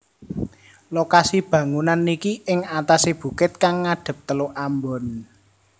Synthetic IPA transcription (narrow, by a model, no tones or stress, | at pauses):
lokasib̥ä̤ŋunanːikiɪŋat̪aseb̥ṳkɪt̪̚kaŋːaɖ̥ə̤p̚t̪əloʔambɔn